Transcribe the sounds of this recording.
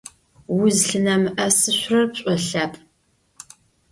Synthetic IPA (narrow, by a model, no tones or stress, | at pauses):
wʊzɬɨnɐmɨʔɐsɨɕʷrɐrpɕʼɔɬaːpʼ